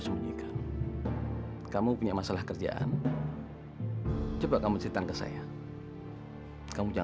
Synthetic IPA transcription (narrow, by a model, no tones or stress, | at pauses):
suɡikʰan | kamupuɲamasalahkərd͡ʒa̰ʔa̰n | t͡ʃəbaʔkamusɾit̪ankəsa̰ja | kamud͡ʒa